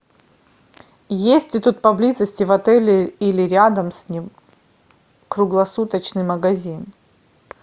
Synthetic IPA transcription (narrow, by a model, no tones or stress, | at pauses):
jesʲtʲɪt̪ut̪̚pɐblʲizəsʲtʲɪvɐt̪ɛlʲɪilʲɪɾʲad̪əmsʲnʲim | kɾʊɡlˠɐsut̪ət͡ɕnɨjməɡɐzʲin